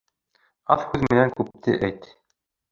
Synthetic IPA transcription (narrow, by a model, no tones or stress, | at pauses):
ɑθhʉðmɘ̆næŋkʉp̚t̪ʰɘ̰ʔæjt̪